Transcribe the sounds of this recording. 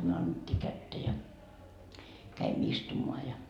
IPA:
myø ɑnːetʲːiː kætːæ jɑ kæimˑø̆ istumoɑ jɑ

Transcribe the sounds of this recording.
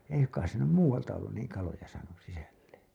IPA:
ei suŋkˑɑis se nym muːwɑltɑ olːun niːŋ kɑlojɑ sɑːnus sisælːen̞

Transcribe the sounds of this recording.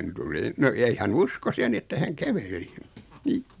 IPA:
tuli no ei hæn uskos jɑ ni etːæ hæŋ kæʋeli ni

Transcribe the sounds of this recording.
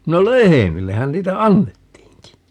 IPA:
no lehemilːehæn niːtæ ɑnːetːiːŋki

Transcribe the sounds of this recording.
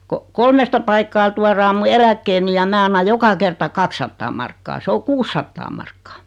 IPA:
ko kolmestɑ pɑikːɑː tuɑrɑː mu elækːeːni jɑ mæː ɑnːɑ jokɑ kertɑ kɑksːɑtːɑː mɑrkːɑː se o kuːsːɑtːɑː mɑrkːɑː

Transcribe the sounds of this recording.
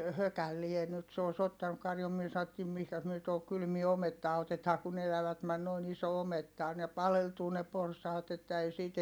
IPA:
høkælːie nyt se oˑi̯s otːɑnuk kɑrjum myø sɑotːiːm mihkæs myø tohok kylmie ometːɑː otetɑː kun elæʋæt mæn noin iso ometːɑ on ne pɑleltuː ne porsɑːt etːæ ei siːt

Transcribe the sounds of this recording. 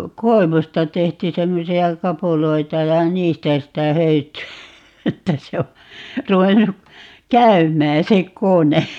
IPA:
koeʋustɑ tehty semːosiɑ kɑpuloitɑ jɑ niːstæ sitæ høytyæ etːæ se o ruʋenːu kæymˑæː se kone

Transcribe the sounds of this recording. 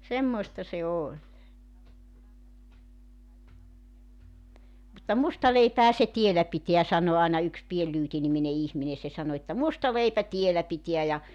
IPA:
semːoistɑ se olʲ mutːɑ mustɑ leipæhæ se tielːæ pite̝æ sɑno ɑˑenɑ yks pien lyːti nimine ihmine se sɑno etːæ mustɑ leipæ tielːæ pitiæ jɑ

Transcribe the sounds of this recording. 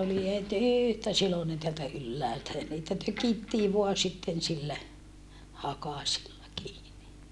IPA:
oli het yˑhtæ silonen teæltæ ylːæːltæ jɑ niːtæ tøkitːiː ʋoɑ sitːen silːæ hɑkɑsilːɑ kiːni

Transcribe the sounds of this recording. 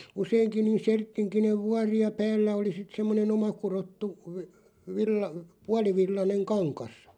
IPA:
useiŋki niːn̞ sertːiŋkineʋ ʋuɑri jɑ pæːlːæ oli sit semːonen omɑkurotːu ʋə ʋilːɑ puɑliʋilːɑneŋ kɑŋkɑs

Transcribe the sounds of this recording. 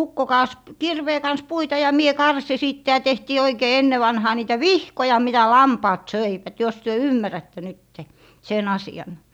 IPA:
ukːo kɑːs kirʋeː kɑns puitɑ jɑ mie kɑrsi siˑtːe jɑ tehtiː oikeː enːe ʋɑnhɑː niːtæ ʋihkojɑ mitæ lɑmpɑːt søiʋæt jos tyø ymːærætːe nytːe sen ɑsiɑn

